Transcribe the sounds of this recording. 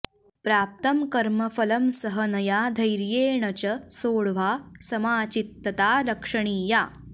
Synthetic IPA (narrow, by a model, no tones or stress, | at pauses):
pɾaːp̚t̪ɐmkɐɾmɐfɐlɐmsɐɦɐnɐjaːd̪ʱɐjɾjeːɳɐt͡ɕɐsoːɭʋaːsɐmaːt͡ʃit̪ːɐt̪aːlɐkʂɐɳ̃iːjaː